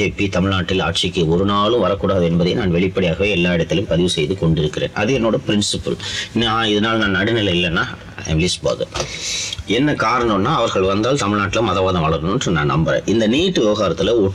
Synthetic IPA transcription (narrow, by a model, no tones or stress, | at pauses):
eːpːit̪ɐmɪɭnaːʈːɪlaːʈ̚ʂɪkːɯɔɾɯnaːɭɯ̃mʋɐɾɐkːuːɽaːðɯɛnbɐðɐɪnaːnʋɛɭɪpːɐɽɪjaːɣɐʋeːɛlːaːɪɽɐt̪ːɪljɯ̃mpɐðɪʋɯsɛjðɯkɔɳɖɪɾɯkːɪɾḛːnʔɐ̰ðɪɛnoːɽɐpɪɾɪnsɪpɯ̰lnːɪðɐnaːlnaːnːɐɽɯnɪlɐɪlːɛnːaː | ɛ̰mlisba̰ːðɯ̰ | ɛnːɐkaːɾɐɳomnːaːɐʋɐɾɣɐɭʋɐnd̪aːlt̪ɐmɪɭnaːʈːɪlɐmɐðɐʋaːðɐ̃ʋɐɭɐɾnɯndrɯnãːnnɐ̰mbɐɾɐ̰̃ʔɪnd̪ɐniːʈːɯʋɪʋɐɣaːɾɐt̪ːɪlɐɔ